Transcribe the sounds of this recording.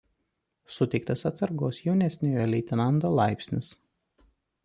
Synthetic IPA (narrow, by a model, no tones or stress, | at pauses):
sʊt̪ʲɛɪkt̪ɐsɐt̪sɐɾɡoːsjɛʊnʲɛsʲnʲoːjolʲɛɪt̪ʲɪnɐnd̪oːlˠɑɪpʲsʲnʲɪs